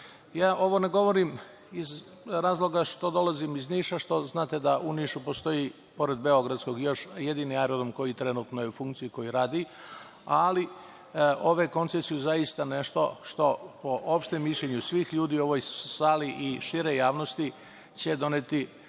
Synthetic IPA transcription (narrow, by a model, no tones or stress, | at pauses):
jaːʔo̞ʋo̞neɡo̞ʋo̞ɾim | iz | ɾaːzlˠo̞ɡaʃt̪od̪o̞lazimizniːʃaʃt̪o̞znaːt̪e̞d̪aʔuniːʃupo̞st̪o̞ji | po̞ɾed̪̚be̞o̞ɡɾad̪sko̞ɡjo̞ʃje̞d̪iːniaɾod̪omko̞jit̪ɾe̞nuːt̪nojeufuŋk̚t̪sijuko̞jiɾaːd̪i | ali | ʔo̞ʋeko̞nt̪sesijuzajist̪ane̞ʃt̪o̞ʃt̪o̞po̞ʔopʃt̪emːiʃlʎʲe̞ɲusʋiːxʎuːd̪iːuo̞ʋojsaliʔiʃiɾejaːʋnost̪i | t͡ɕe̞d̪o̞net̪i